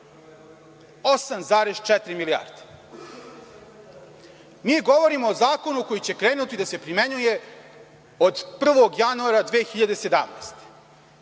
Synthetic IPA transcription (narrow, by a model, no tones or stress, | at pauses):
osamzaːɾest͡ʃɛt̪ɾimilia̰ːɾd̪e̥ | miːɡo̞ʋo̞ɾimo̞ːzaːko̞nuko̞jit͡ɕe̞kɾe̞ːnut̪id̪ase̞pɾimeɲuje̞ | od̪pr̩ʋo̞ɡjanuaɾad̪ʋeːxiʎad̪e̞se̞d̪a̰mnḛːst̪e̥